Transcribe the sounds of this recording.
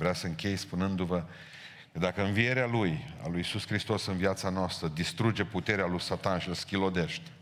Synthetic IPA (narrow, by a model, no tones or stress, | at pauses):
vɾeasəɨŋkʲe̞jspunɨnd̪uvə | kəd̪akəɨnvie̞ɾealuja̰lujisuskɾist̪o̞sɨnviat̪sanoast̪ɾəd̪ist̪ɾud͡ʒe̞put̪e̞ɾealujsat̪anʃilskʲilo̞d̪e̞ʃt̪ʲ